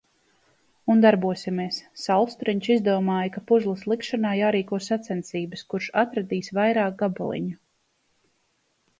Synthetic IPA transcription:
und̪aɾbuɔsʲimiɛssalˠst̪ɾiɲʲt͡ʃizd̪uɔmaːjkapuzlˠɐslˠikʃanaːjaːɾiːkuɔsat̪sɛnt̪siːbɨskuɾʃat̪ɾad̪iːsvajɾaːk̚ɡaba̰lˠḭɲu

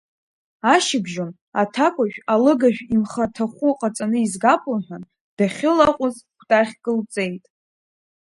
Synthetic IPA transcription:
aʃɪbʒon | atʰakʷʼaʒᶣalɨɡaʒᶣimχatʰaχʷuqʼat͡sʼanɨizɡapʰʼlaħʷᶣan | d̥aχʲɪlaqʷʼʊzɡʷʰtʼaχʲɡɨlt͡sʼe̞jtʼ

